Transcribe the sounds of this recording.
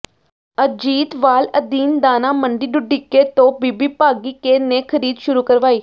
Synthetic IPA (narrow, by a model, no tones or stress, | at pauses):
əd͡ʒiːt̪ʋaːləd̪iːnd̪aːnaːməɳɖiːɖʊɖiːkeːt̪õːbiːbiːpaːɡiːkeːneːkʰəɾiːd̪ʃʊɾuːkəɾʋaːiː